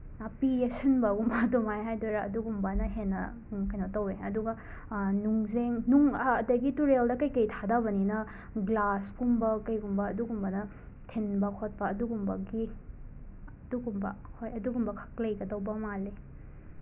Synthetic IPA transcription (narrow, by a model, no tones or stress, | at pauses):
piesɐnbɐɡumbɐdumajɦajdoɾaɐduɡumbɐnɐɦenːɐ | kɐjnɐtɐweɐduɡɐ | nuŋzeŋnuŋɐːdɐɡituɾeldɐkɐjkɐjtʰadabɐninɐ | ɡlaskumbɐkɐjɡumbɐːduɡumbɐnɐ | tʰinbɐkʰot̚pɐːduɡumbɐɡi | duɡumbɐhojɐduɡumbɐkʰɐ̥k̚lɐjɡɐdɐwbɐmale